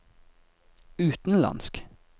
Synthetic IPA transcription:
ʉːt̪n̩lɑ̰nsk

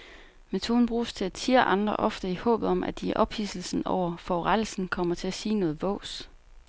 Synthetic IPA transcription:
met͡sʰo̝ːn̩b̥ʁuːst͡sʰe̝æ̥t͡sʰiɐ̰ʔɑ̈nd̥ʁɐ̰ʔɒ̽fd̥əihɔ̰̽ːb̥ð̩ˠɒ̽mʔæd̥iʔɒ̽b̥hisl̩sn̩ɒʊ̰ɐfɒʁalsn̩kʰɒ̽m̰ɐt͡sʰe̝æsiːnɔ̽ːð̞̩ˠʋɔ̰̽ʊːs

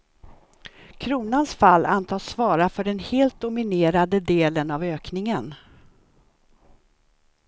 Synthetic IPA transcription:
kʰɾuːnansfalːa̰nt̪ʰɑːsvɑːɾafœɖɛnheːlt̪̚d̪ʊmɪneːɾad̪əd̪eːlənavøːknɪŋən

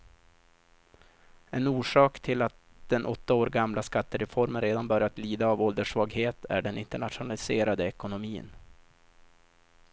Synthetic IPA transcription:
ɛnuːʂɑːkt̪ʰɪlat̪̚ | d̪ɛnʔɔt̪ːaoːɾɡamlʔaskat̪ːəɾɛfɔɾmənɾeːd̪anbœɾjat̪liːd̪aːvɔld̪əʂvɑːɡheːt̪ʰæ̰ɖɛnɪnt̪əɳat̪ɧʊnalɪseːɾad̪əɛkʊnʊmiːə̰n

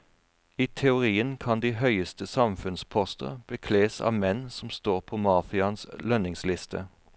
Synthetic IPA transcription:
iːt̪ʰɛʊʁiːənkʰɑnd̪iːɦœʏəst̪əsɑmfʉnspʰɔst̪ə̰ʁb̥əkʰleːsɑ̰ːʋmɛnsɔm̩st̪oːʁpʰoːmɑːfɪɑnslœnɪŋslɪst̪ʰə̰

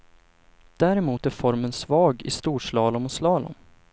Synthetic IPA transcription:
d̪̥æɾɛmuːt̪æɾfɔɾmənsvɑːɡɪ̰st̪uːʂlɑːlɔmɔslɑːlɔ̰m

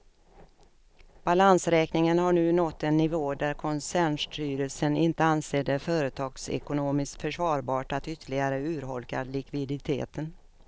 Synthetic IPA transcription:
b̥alansɾɛːknɪŋənhaɳʉ̟ːnɔt̪ːɛnːɪvoːd̪æɾkʰɔnsæːɳʂʈʰyːɾəlsənɪnt̪əanseːd̪ɛfœːɾət̪ʰɑːɡsɛ̰kʊnoːmɪst̪fœʂvɑːɾbɑːʈat̪ʏt̪ʰːəɭɪɡaɾəʉ̟ːɾɦɔlka̰lɪkvɪd̪ɪt̪ʰḛːt̪ʰən

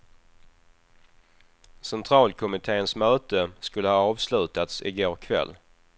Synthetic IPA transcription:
sɛnt̪ʰɾɑːlkʰʊmɪt̪ʰeːənsmœːt̪əskɵlːəhɑːɑːvslʉ̟ːt̪at̪sɪ̰ɡoːɾkʰvɛ̰lː

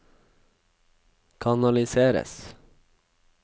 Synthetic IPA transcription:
kʰɑnɑlɪseːɾə̰s

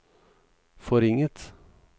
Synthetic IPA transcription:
fɔɾɪŋət̪

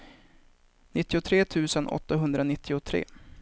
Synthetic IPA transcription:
nɪt̪ːɪʊt̪ʰɾeːt̪ʰʉ̟ːsənʔɔ̰t̪ːaɦɵnd̪ɾanɪt̪ːɪʊt̪ʰɾḛː

